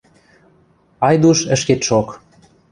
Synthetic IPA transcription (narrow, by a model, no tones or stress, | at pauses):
ɑjd̪uʃə̆ʃket̪ʃok